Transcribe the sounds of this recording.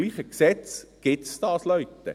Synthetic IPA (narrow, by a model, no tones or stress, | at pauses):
liːχəksɛt͡sɡ̥ɪtst̪ɑːslœɥt̪ːə̰